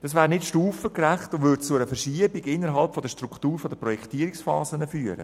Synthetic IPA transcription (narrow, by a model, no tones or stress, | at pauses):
d̥ɑsʋæːɾnɪtʃtuːfəkræχtʊnvʏɾdt͡sʊɛɾəfəɾʃiəbiɡɪnːəɾɦɑlpfɔdəʃtɾuktuːɾfɔd̥̪əpɾɔjɛktiːɾiksfɑ̰ːzənəfyːəɾə̰